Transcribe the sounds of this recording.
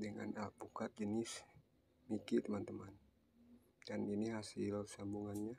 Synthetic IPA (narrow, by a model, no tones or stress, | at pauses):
dəŋa̰nalpukat̪̚d͡ʒənɪs | mikit̪əmant̪əman | daniniɦasɪlsambuŋanɲa